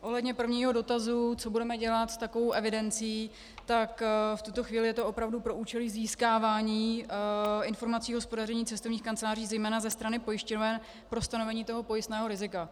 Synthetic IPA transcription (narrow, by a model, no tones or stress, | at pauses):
ʔo̞ɦlɛdɲɛpr̩vɲiːɦo̞do̞t̪azut͡so̞budɛmɛɟɛlat̪st̪akovowʔɛvɪdɛnt͡sijiː | t̪akft̪ut̪o̞xviːlɪjɛt̪o̞ʔo̞pɾavdupɾo̞ʔuːt͡ʃɛliːziːskaːvaːɲiː | ɪnfo̞ɾmat͡siːɦo̞spo̞darɛɲiːt͡sɛst̪ovɲiːxkant͡sɛlaːr̝iːzɛjmɛːnazɛst̪ɾanɪpo̞jɪʃcovɛn | pɾo̞st̪ano̞vɛɲiːt̪o̞ɦo̞po̞jɪst̪nɛːɦo̞ɾɪzɪka